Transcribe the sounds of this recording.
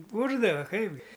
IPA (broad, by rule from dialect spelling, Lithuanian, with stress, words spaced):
ˈbuːrdɐʋɐ ˈkɐɪbʲɡʲɪ